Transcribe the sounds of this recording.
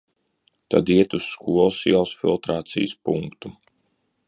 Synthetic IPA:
t̪a̰d̪iɛt̪usːkuɔlˠsiawsfḭlˠt̪ɾaːt̪sḭjəspuŋkt̪u

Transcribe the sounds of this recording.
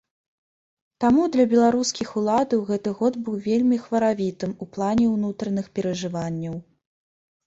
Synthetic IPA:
t̪amud̪lʲɐbʲɛlˠaɾuskʲixulˠad̪ɐwɣɛt̪ɨɣɔd̪bɨwvʲelʲmʲixvɐɾavʲit̪ɨmuplˠanʲɛwnut̪ɾɐnɨxpʲɛɾɐʐɨvanʲːɐw

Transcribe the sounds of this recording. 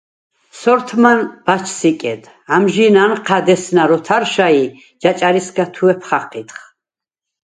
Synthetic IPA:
sɔɾt̪ʰmanb̥at͡ʃʰsikʼɛd̪ | amʒinanqʰad̪ɛsnaɾɔt̪ʰaɾʃai | d͡ʒat͡ʃʼaɾisɡat̪ʰuɛpʰχaqʰʼit̪χ

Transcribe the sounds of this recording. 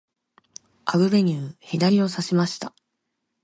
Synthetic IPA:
aɡɯ̟be̞ɲ̟ʲɨːçid̪aɾʲio̞saɕimaɕi̥t̪a

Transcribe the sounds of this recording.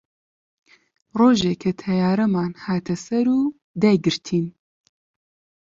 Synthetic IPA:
roːʒeːkʰɐt̪ʰɐjaːɾɐmaːnhaːt̪ʰɐsɐɾuː | d̪ɛɡɨɾt̪ʰiːn

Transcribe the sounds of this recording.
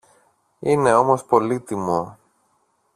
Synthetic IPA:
ine̞o̞mo̞spo̞lit̪imo̞

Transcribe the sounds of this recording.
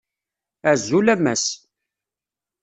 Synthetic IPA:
æzːulæmːæs

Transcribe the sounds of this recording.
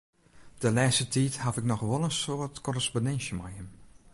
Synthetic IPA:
d̥əlɛːstətʰiːthafɪknɔxʋɔlˠənsoːtkɔrəsponɛnsjəmajəm

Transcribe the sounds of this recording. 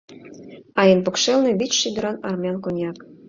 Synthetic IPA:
ɑjenpɤ̆kʃelnĕβit͡ɕʃid̪ə̆ɾɑnɑrmjɑnkonʲjɑk

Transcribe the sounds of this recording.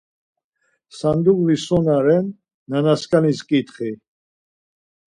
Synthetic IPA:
sand̪uɣlisɔnaɾɛnː | anaskʼaniskʼit̪χi

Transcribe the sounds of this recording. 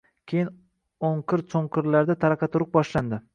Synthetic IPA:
kʲʰejɪn | oŋqʰɨɪɾsoŋqʰɨɾlaɾd̪at̪ʰaɾɑqʰɑt̪ʰʊɾɪq̚bɒʃland̪ɪ

